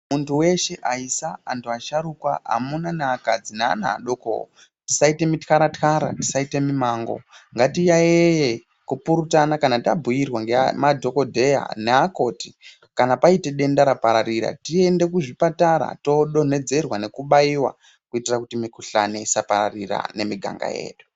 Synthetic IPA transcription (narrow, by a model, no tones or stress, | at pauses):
muntʰuwe̞ʃe̞ʔaisaːntʰuaʃaɾukwa̰a̰munanaakad͡zina̰ːna̰ːɗoko̰o̰ | ti̥saite̞mitkaɾatkaɾa̰ti̥saite̞mimaːŋɡo̞̰ŋɡatijaeje | kupuɾutanakanatabʱujirwaŋɡeamadʱo̞ko̞dʱe̞ja̰neako̞ːti | kanapaite̞ɗe̞ndaɾapaɾaɾiɾa̰tie̞nde̞kuʐipataɾa̰to̞ɗo̞ne̞d͡ze̞rwane̞kuɓaiwa̰ | kuitirakutimikuɬaneisapaɾa̰rira̰ne̞miɡʱa̰ŋɡa̰je̞̰ːɗu